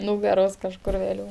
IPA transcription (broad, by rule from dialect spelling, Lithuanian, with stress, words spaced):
ˈnuːɡɐroːs kɐʃˈkʊr ʋʲeːˈlʲuː